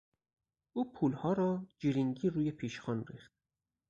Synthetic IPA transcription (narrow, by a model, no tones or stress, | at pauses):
ʔuːpʰuːlhɒːɾɒːd͡ʒiɾiŋɟiːɾuːjepʰiːʃxɒːnɾiːxt̪̚